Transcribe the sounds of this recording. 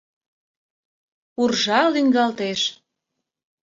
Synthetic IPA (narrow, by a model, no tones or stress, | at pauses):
urʒɑlyŋɡɑlt̪eʃ